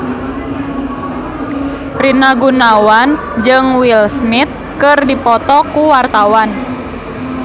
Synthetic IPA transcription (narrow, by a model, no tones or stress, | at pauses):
rinaɡunawan | d͡ʒɨŋwilsnit̪̚kɨrdipɔt̪ɔkuwart̪awan